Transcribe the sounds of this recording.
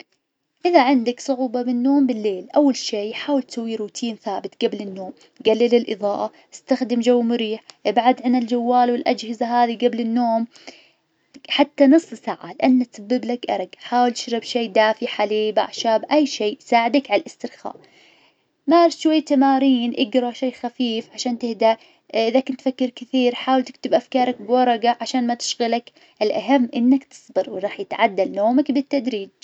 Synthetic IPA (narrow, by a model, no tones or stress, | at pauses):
ʔɪðaʕɪnd̪aksˤʊʕuːbɑbɪnːoːmbɪlːeːlʔawːalʃiːħaːwɪlt̪sawːiɾuːt̪ʰiːnθaːbɪt̪ɡablɪnːoːm | ɡalːɪlɪlʔɨ̰ðˤɑːʔa | ʔast̪axd̪ɪmd͡ʒawːmʊɾiːħʔɪbʕad̪ʕɪnɪld͡ʒawːaːlwɪlʔad͡ʒhɪzaɦaːðiɡablɪnːoːm | ħat̪ːanɨsˤːsaʕalɪʔanːat̪sabːɪblakʔɑ̰ɾˤɑɡħaːwɪlt̪ɪ̥ʃɾˤɪbʃeːd̪aːfiħaliːba̰ʕʃaːbʔajːʃiːsaːʕɪd̪akʕalʔɪst̪ɪɾxa̰ːʔ | maːɾʃwajːt̪amaːɾiːnʔɪɡɾˤɑʃeːxafiːfʕaʃaːnt̪ɪhd̪aʔ | ʔɪðakɪnt̪fakːɪɾkɪθiːɾħaːwɪlt̪ɪ̥k̚t̪ɪbʔafkɑːɾˤɑk̚bwɑɾˤɑɡaʕaʃaːnmat̪ɪ̥ʃɣɪlak | ʔɪlʔaɦamːʔɪnːakt̪ɨ̥sˤbɨɾwɾˤɑːħjɪt̪ʕad̪ːalnoːmakbɪt̪ːad̪ɾiːd͡ʒ